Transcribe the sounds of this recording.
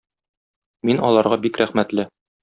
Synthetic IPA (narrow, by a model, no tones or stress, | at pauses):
minɒlˠɑɾʁɑbikɾæχmæt̪lɘ